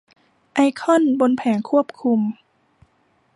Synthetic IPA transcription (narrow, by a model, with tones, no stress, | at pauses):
ʔa˧jkʰɔ˥˨nbo˧npʰɛː˩˦ŋkʰu˥˩əp̚kʰu˧m